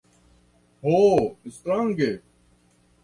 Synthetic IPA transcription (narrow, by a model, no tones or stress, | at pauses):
hoːɪst̪ɾaːŋɡeː